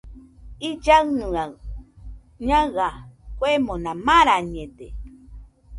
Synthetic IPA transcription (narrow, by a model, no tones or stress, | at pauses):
id͡ʒaɰnɨaɰ | ɲãɣakwemõnãmaɾaɲẽde